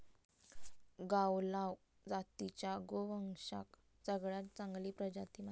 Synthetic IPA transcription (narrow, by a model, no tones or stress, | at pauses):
ɡawlaw | d͡zat̪it͡ɕjaɡoʋəŋʂa̰k | səɡɭjat̪t͡sãŋɡliːpɾəd͡ʑat̪ima